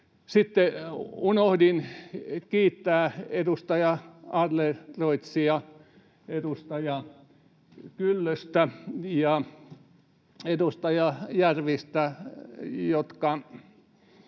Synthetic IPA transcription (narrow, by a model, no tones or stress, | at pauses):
sit̪ːeunohdinkiːt̪ːæːedust̪ɑjɑɑrleroit̪siɑ | edust̪ɑjɑ | kylːøst̪æjɑ | ed̪ust̪ɑjɑjærʋist̪æ | jot̪kɑ